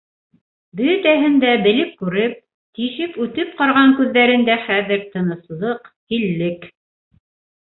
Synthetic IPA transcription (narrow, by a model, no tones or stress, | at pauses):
bɵ̆t̪æɦɘ̆nd̪æbɘ̆lɘp̚kʉɾɘp̚ | t̪iʃɘpʉt̪ɘp̚qɑɾʁɑŋkʉðːæɾɘ̆nd̪æχæðɘɾt̪ɤ̆nɤ̆slˠɤqhilːɘk